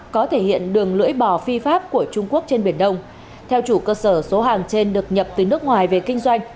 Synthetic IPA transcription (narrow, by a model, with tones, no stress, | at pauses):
kɔ˨˦t̪ʰe˧˩hḭ˧˨ənɗɨ˨˩əŋlɨ̰˧˥əjɓɔ˧˩fi˧faː˦˥p̚ku˧˩ət͡ɕʊ˧ŋ͡mku˦˥ək̚t͡ɕe˧nɓi˧˩ənɗə˧wŋ͡m | t̪ʰɛ˧wt͡ɕu˧˩kəː˧səː˧˩so˨˦ɦaː˨˩ŋt͡ɕe˧nɗɨ˨˩ək̚ɲə˨˩p̚t̪ɨ˨˩nɨ˦˥ək̚ŋwaː˨˩jve˨˩kï˧ŋ̟zwa˧jŋ̟